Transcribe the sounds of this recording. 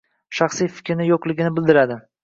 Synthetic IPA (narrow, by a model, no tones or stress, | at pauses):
ʃaχsijfɪ̥kʲʰɾɪnɪjoqlˠɪɡʲɪnɪbɪld̪ɪɾad̪ɪ